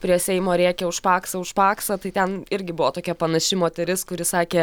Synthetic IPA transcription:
pʲɾʲiɛsʲɛɪmoːɾʲiːkʲɛːʊʃpɑːksɐʊʃpɑːksɐt̪ɐɪt̪ʲɛnɪɾʲɡʲɪbʊʋoːt̪oːkʲɛpɐnɐʃʲɪmoːt̪ʲɛɾʲɪskʊɾʲɪsɑːkʲeː

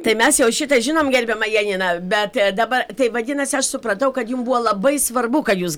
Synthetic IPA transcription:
t̪ɐɪmʲɛsjɛʊʃʲɪt̪ɐʒʲɪnoːmɡʲɛrʲbʲɛmɐjɛːnʲɪnɐbʲɛt̪d̪ɐːbɐrt̪ɐɪʋɐd̪ʲɪnɐsʲɪɐʃsʊpɾɐt̪ɐʊkɐt̪jʊmbuoːlˠɐbɐɪsʋɐrbʊkɐt̪juːs

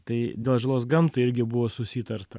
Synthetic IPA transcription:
t̪ɐɪd̪ʲeːlˠʒɐlˠoːsɡɐmt̪ʊɪɾʲɡʲɪbʊʋoːsʊsʲiːt̪ɐɾt̪ɐ

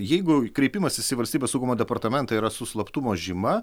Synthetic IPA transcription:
jɛɪɡʊkɾʲɛɪpʲimɐsɪsʲɪʋɐlʲsʲt̪ʲiːbʲesɐʊɡumoːd̪ʲɛpɐrt̪ɐmʲɛnt̪ɑiːɾɐsʊslˠɐpt̪umoːʒʲɪmɐ

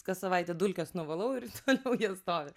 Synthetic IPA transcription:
kɐsɐʋɐɪt̪ʲɛd̪ʊlʲkʲɛsnʊʋɐlˠɐʊɪɾt̪ʰoːlʲɛʊjiɛst̪oːʋʲɪ

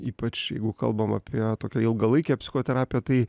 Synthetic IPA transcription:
iːpɐt͡ʃjɛɪɡʊkɐ̰lˠbɐmɐ̰pʲʰiɛt̪oːkʲɛɪlˠɡɐlˠɐɪkʲɛːpʲsʲɪxoːt̪ʲɛɾaːpʲɪjɛt̪ɐɪ

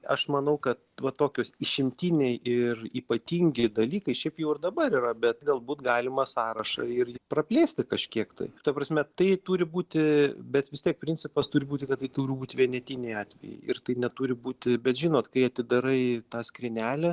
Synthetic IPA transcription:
ɐʃmɐnɐʊkɐt̪ʋɐt̪oːkʲoːsɪʃʲɪmʲt̪ʲinʲɛɪʔɪriːpɐt̪ʲiŋʲɡʲɪd̪ɐlʲiːkɐɪʃʲɛɪpjɛʊɪrd̪ɐbɐɾiɾɐbʲɛt̪̚ɡɐlˠbuːt̪ɡɑːlʲɪmɐsɑːɾɐʃɐ̰ɪrɪprɐpʲlʲeːsʲt̪ʲɪkɐʃʲkʲiɛkt̪ɐ̰ɪt̪ɐpɾɐsʲmʲɛt̪ɐɪt̪uːɾʲɪbuːt̪ʲɪbʲɛt̪ʋʲɪst̪ʲiɛk̚pʲɾʲɪnʲt͡sʲɪpɐst̪uːɾʲɪbuːt̪ʲɪkɐt̪t̪ːɐɪt̪uːɾʲɪbuːt̪ʲʋʲiɛnʲɛt̪ʲinʲɛɪɑːt̪ʲʋʲɛ̰jɛ̰ɪɪrt̪ɐɪnʲɛt̪uːɾʲɪbuːt̪ʲɪbʲɛt̪ʒʲɪnoːt̪kɐɪɐt̪ʲɪd̪ɐɾɐɪt̪ɑːsʲkɾʲɪnʲæːlʲɛ

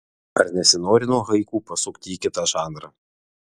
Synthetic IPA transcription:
ɐ̰ɾnʲɛsʲɪnoːɾʲɪnuɔɦɐɪkuːpɐsʊkt̪ʲiːkʲɪt̪ɑːʒɑːnɾɑ

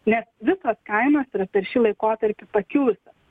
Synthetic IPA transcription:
nʲɛsʋʲɪsɐskɐɪmɐːsiːɾɐpʲɛɾʃʲiːlˠɐɪkoːt̪ɐɾʲpʲɪpɐkʲuːsɐ

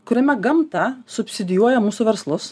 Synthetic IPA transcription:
kʊɾʲɛmʲɛɡɐmt̪ɐsʊpʲsʲɪd̪ʲɪjuɔjɛmuːsʊʋʲɛɾslˠʊs

